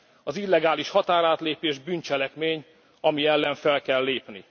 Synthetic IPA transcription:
ɒzilːɛɡaːliʃhɒt̪aːɾaːt̪leːpeːʒbyːnt͡ʃɛlɛkmeːɲ | ɒmiɛlːɛɱfɛlkɛlːeːpni

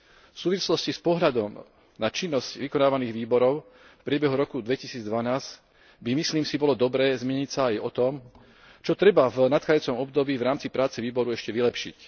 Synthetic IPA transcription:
fsuːʋislɔscispɔɦʎad̪ɔm | nat͡ʃinːɔscʋikɔnaːʋaniːɣʋiːbɔɾɔʊ | fpɾɪɛbɛɦuɾɔkud̪ʋɛcisiːd͡zd̪ʋanaːz | bimisliːmsibɔlɔd̪ɔbɾɛːzmɛɲicsaajɔt̪ɔm | t͡ʃɔt̪ɾɛbavnat̪xaːɟauːt͡sɔmɔbd̪ɔbiːvɾaːmt͡sipɾaːt͡sɛʋiːbɔɾuɛʃcɛʋilɛpʃḭc

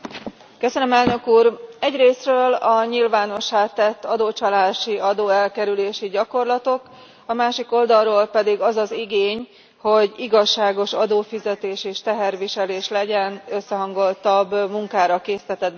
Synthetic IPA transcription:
køsønømɛlnøkuːrɛɟreːsrøːlɒɲilvaːno̞ʃːaːt̪ːɛt̪ːɒd̪oːt͡ʃɒlaːʃiɒd̪oːɛlkɛɾyleːʃiɟɒko̞rlɒt̪o̞k | ɒmaːʃiko̞ld̪ɒlroːlpɛd̪iɡɒzɒziɡeːɲ | ho̞ɟiɡɒʃːaːɡo̞ʃɒd̪oːfizɛt̪eːʃeːʃt̪ɛɦɛrʋiʃɛleːʃlɛɟɛnø̞sːɛɦɒŋɡo̞lt̪ɒbːmuŋkaːɾɒkeːsit̪ɛt̪ɛd̪̚bɛ

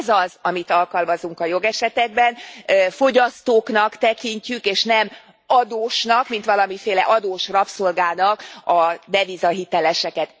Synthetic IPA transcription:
zɒzɒmit̪ɒlkɒlmɒzuŋkɒjo̞ɡɛʃɛt̪ɛɡ̚bɛnøfo̞ɟɒst̪oːknɒkt̪ɛkiɲcykeːʃnɛm | ɒd̪oːʃnɒkmint̪ʋɒlɒmifeːlɛ̰ʔɒd̪oːʃrɒpso̞lɡaːnɒkɒd̪ɛvizɒɦit̪ɛlɛʃɛkɛt̪

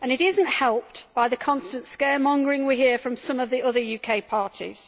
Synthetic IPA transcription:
ə̃ñɪtɪzə̃n̩tʔhɛlˠp̚tb̥aɪðəkʰɒ̃nstə̃ntskɛːmɒ̃ŋɡəɹɪ̃ŋwiɦiəfɹə̃msʌ̃məvðiʊðəjʉːkʰeɪpʰɑɹtʰḭz̥

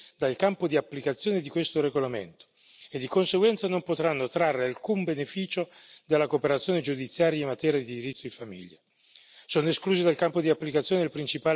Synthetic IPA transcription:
d̪alkampod̪iapːlikat̪sːjoːned̪ikwest̪oɾeɡolamḛnt̪o̥ | ed̪ːikonseɡwɛnt̪sanompot̪ɾanːot̪ɾarːealkumbenefiːt͡ʃo | d̪elːakoːpeɾat̪sːjoːned͡ʒud̪it̪sːjaːɾjaimːat̪ɛːɾjad̪id̪iɾit̪ːoinfamḭʎːa | soːnoeskluːzid̪alkampod̪iapːlikat̪sjoːnelpɾint͡ʃipaː

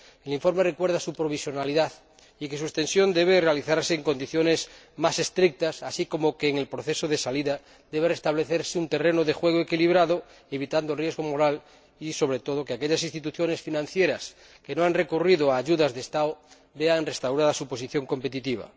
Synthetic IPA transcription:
eliɱfo̞ɾmerekwe̞ɾðasupɾo̞β̞isjo̞naliðað | ike̞s̬uest̪e̞nsjo̞nd̪e̞βere̞aliθaɾseːŋko̞nd̪iθjo̞ne̞z | mase̞st̪ɾik̚t̪asasiko̞mokeːŋe̞lpɾoθesoðe̞saliða | d̪eβerest̪aβ̞le̞θeɾseunt̪e̞renoðe̞xwe̞ɣ̞oekiliβ̞ɾaðo | eβit̪and̪orjeɣo̞mo̞ɾal | iso̞βɾe̞t̪o̞ð̞okeakeʎasinst̪it̪uθjo̞ne̞sfinãn̟θje̞ɾas | ke̞noanre̞kuriðoaːʝuðazðest̪ao | beanrest̪awɾaðasupo̞s̬iθjo̞ŋko̞mpe̞t̪it̪iβ̞a̰

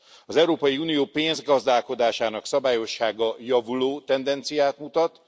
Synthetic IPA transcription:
ɒzɛwɾoːpɒjiuːnijoːpeːnzɡɒzd̪aːlko̞d̪aːʃaːnɒksɒbaːjo̞ʃːaːɡɒjɒvuloːt̪ɛnd̪ɛnt̪sijaːt̪mut̪ɒt̪

